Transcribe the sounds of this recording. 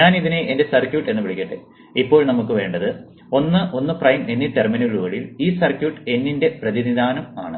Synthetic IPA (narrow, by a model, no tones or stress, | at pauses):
ɲaːniðineʔende̞sɐrkʲjuːʈːe̞nːɨʋiɭikʲːɐʈːḛ | ipːo̞ːɭnɐmukːɨʋe̞ːɳɖɐðɨ | o̞nːɨʔo̞nːɨprɐjme̞nːiʈːerminuɣɐɭuɐɭiliːsɐrkʲjuːʈːɨe̞nːinde̞prɐðinid̪aːnɐmaːɳɨ